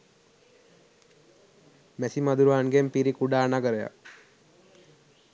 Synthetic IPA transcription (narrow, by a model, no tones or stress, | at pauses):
mæsimad̪uɾuaːnɡempiɾikuɖaːnaɡəɾəja̰k